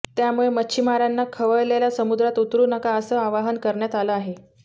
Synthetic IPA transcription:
t̪jamuɭemət͡ɕʰimaɾanːakʰəʋəɭlelasəmud̪ɾat̪ut̪ɾuːnəkaəsəːaʋaɦənkəɾɳjat̪aləaɦe

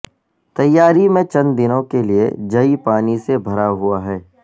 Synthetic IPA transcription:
t̪ɐjːaːɾimẽt͡ʃɐ̃nd̪ɪnõkeliḛd͡ʒɐipaːnisebʱɐɾaɦuaɦɛː

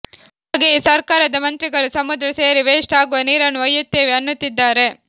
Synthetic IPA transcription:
haːɡesɐɾkaːɾɐd̪ɐmɐnt̪ɾiɡɐɭusɐmud̪ɾɐse̞ːɾiʋeːʂʈaːɡuʋɐniːɾɐnuɐjːut̪ːe̞ːʋeɐnːut̪ːid̪ːaːɾe̞

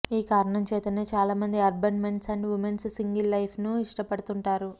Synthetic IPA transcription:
iːkaːɾɐɳɐmt͡ʃe̞ːt̪ɐneːt͡ʃaːlaːmɐnd̪iɐɾbɐɳme̞ɳʈsɐɳɖʋumenssiŋɡilːɐjpʰnuiʂʈɐpɐɽut̪uɳʈaːɾu

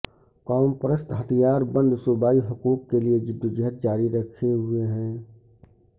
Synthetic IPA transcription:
kɔːmpɾəst̪ɦət̪ʰijaːɾbə̃nd̪sʊbaːiɦʊkuːkːelied͡ʒɪd̪ːʊd͡ʒɪɦət̪̚d͡ʒaːɾiɾəkʰeɦʊeɦɛ̃ː

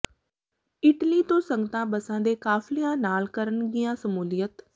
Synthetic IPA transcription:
ɪʈliːt̪õːsəŋɡət̪ãːbəsãːd̪eːkaːflijãːnaːlkəɾəɳɡɪjãːsəmuːlɪjət̪

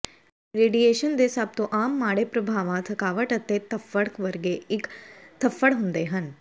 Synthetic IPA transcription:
ɾeːɖijeːʃənd̪eːsaːb̚t̪oʔaːmːaːɽepɾɐbʱaːʋãt̪ʰɐkaːʋəʈɐt̪ːet̪ɐfːəɽkʋɐɾɡeɪkt̪ɐfːəɽɦʊ̃nd̪eːɦɐn

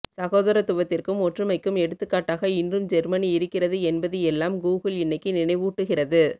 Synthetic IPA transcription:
sɐɣoːðɐɾɐt̪ʊʋɐt̪ːɪrkɯmɔʈrɯmɐɪkːɯmɛɽɯt̪ːɯkːaːʈːaːɣɐɪndrɯmd͡ʒɛɾmɐniɪɾɯkːɪrɐðɯɛnbɐðɯɛlːaːmɡuːɣɯlɪnːɐɪkːɯnɪnɐɪʋuːʈːɯɣɪrɐðɯ

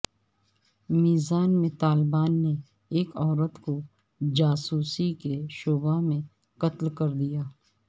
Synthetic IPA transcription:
miːzaːnmẽt̪aːlbaːnːe | eːkɔːɾət̪ko | d͡ʒaːsuːsikeʃoːbamẽ | kɐt̪lkɐɾd̪ijaː

